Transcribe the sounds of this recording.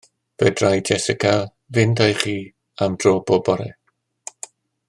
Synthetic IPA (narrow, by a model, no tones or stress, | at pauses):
v̥ɛdrajd͡ʒɛsɪkʰa | vɪndajχiː | amd̥roːbɔbɔɾɛ̰